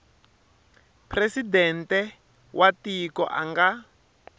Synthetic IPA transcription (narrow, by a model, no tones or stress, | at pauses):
presidɛntɛ | wʔatikɔ̰ʔa̰ŋɡa